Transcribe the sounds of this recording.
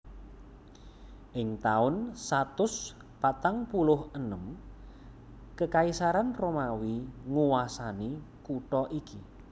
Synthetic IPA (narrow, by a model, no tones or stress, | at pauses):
ʔɪŋt̪aʊnsat̪ʊs | pat̪aŋpulʊɦənəm | kəkaisaɾanromawiŋuwasani | kuʈɔʔiki